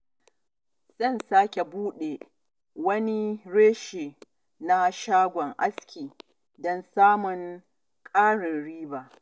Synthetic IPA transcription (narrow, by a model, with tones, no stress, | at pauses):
z̥ɐ˦˨nsaː˦kʲe˨buː˦ɗe˨ | wɐ˦ni˦ɽeː˦ʃeː˨ | na˦ʃaː˦ɡʷɔ˨ŋʔa˦skʲiː˨ | dɔ˦nsaː˦mʊ˨ŋ | kʼaː˦ɽɪ˨nɽiː˦baː˨ʔ